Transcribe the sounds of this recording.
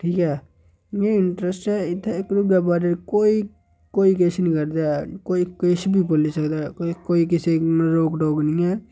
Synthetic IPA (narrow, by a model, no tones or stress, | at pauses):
ʈʰiːkɦɛː | ẽɪɳʈɾəsʈɛːɪt̪ʰːekɾuɡəbaːɖəɾkoːi | koːik̬eʃnĩːkəɾd̪aːkoːikeʃbʱipolisəkd̪aːkkoːikɪsenɾoːkɖoːɡnĩːɛː